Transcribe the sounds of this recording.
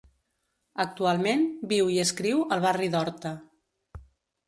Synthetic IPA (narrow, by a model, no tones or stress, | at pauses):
ək̚t̪ualˠmenbiwiəskɾiwəlˠβ̞ariðɔɾt̪ə